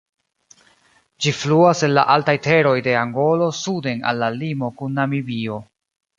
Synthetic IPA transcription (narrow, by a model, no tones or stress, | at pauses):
d͡ʒifluase̞nla̰ʔaltajte̞ɾo̞jde̞aŋɡo̞lo̞sude̞na̰lːalimo̞kunːamibio̞